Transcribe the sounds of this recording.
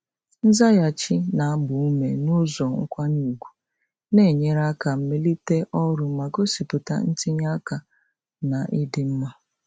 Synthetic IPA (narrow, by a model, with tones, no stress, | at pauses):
n̩˦za˦ja˨t͡ʃi˦na˨a˦bʊ˨u˦me˨nʊ˦zɔ˨ŋ̩˦kʷa˦nu˦˨ɡʷu̥˨ | ne˦˨ɲe˦ɾa˦ka˨m̩˦me˦li˦te˦ʔɔ˦ɾʊ˨m̩˦ma˨ɡo˦si˨pʊ˨ta̰˦˨n̩˦ti˦ɲa˦ka˨ | na˨ʔɪ˦dɪ˦m̩˦ma˦